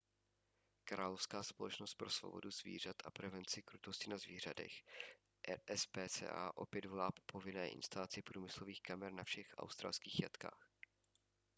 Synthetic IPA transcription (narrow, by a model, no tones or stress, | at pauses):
kɾaːlofskaːspo̞lɛt͡ʃnost̪̚pɾosvo̞̰bo̞̰duzvḭːr̝at̪ʔapɾɛvɛnt͡sɪkɾut̪oscɪnazviːr̝adɛ̰x | ʔʔɛspɛːt͡sɛ̰ːʔa̰ːʔo̞pjɛd̪vo̞laːpopʰo̞vɪnɛːʔɪ̰nst̪alat͡sɪpɾuːmɪsloviːxkamɛɾnafʃɛxʔa̰wst̪ɾa̰ːlˠskiːxjat̪ka̰ːx